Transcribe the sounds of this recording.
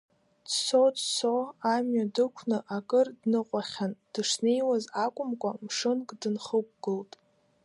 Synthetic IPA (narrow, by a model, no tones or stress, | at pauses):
dsodsoamɥadɨkʷʰnɨʔakʼɨrdnɨqʷʼaχʲand̥ɨʂne̞jwazakʷʼʊmkʷʼamʂɨnkʼdɨnχəkʷʼɡ̥ɨltʼ